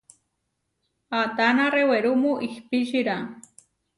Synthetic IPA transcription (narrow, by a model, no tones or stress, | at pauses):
at̪anaɾeweɾʊmʊʔihpiʃiɾa